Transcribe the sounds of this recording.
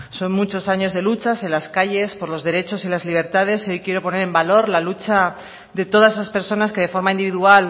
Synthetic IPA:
so̞nmut͡ʃo̞saɲo̞zð̞e̞lut͡ʃasenlaskaʝe̞spo̞ɾlo̞zðe̞ɾe̞t͡ʃo̞silazliβ̞e̞ɾt̪að̞e̞so̞jkje̞ɾo̞po̞ne̞ɾe̞mbalo̞ɾlalut͡ʃa | d̪e̞t̪o̞ð̞asesaspe̞ɾso̞naske̞ð̞e̞fo̞ɾmaĩnd̪iβiðual

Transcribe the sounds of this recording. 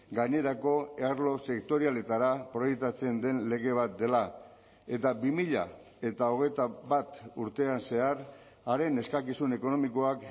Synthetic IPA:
ɡaɲe̞ɾako̞eaɾlo̞se̞kt̪o̞ɾiale̞t̪aɾapɾo̞jek̚t̪at͡se̞nd̪e̞nle̞ɣ̞e̞β̞at̪̚d̪e̞la | e̞t̪abimiʎa̰ | e̞t̪ao̞ɣ̞e̞jt̪aβat̪uɾt̪e̞anse̞aɾ | aɾe̞ne̞skakisune̞ko̞no̞miko̞ak

